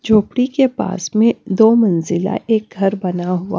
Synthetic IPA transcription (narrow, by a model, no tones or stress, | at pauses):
d͡ʒʱoːpɽikepa̰ːsmẽd̪oːmɐ̃nzɪla̰ʔeːk̚ɡʱɐɾbɐnaɦʊa̰ː